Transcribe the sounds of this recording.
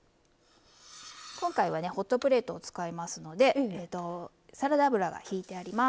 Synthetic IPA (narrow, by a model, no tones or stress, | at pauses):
kõ̞ŋkaiβane̞ho̞t̪ːo̞pɯ̟ɾe̞ːt̪o̞ːt͡sɨ̥kaimasɨno̞d̪e̞t̪o̞ | saɾad̪abɯ̟ɾaɡa̰çiːt̪e̞aɾʲima